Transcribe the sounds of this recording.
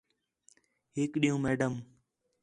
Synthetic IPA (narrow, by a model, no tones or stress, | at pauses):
ɦɪːkɗijũːmeːɖəm